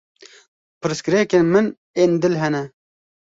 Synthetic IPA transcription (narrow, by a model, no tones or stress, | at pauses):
pɨɾɨskɨɾekenmɨn | eːnd̪ɨlɦɛnɛ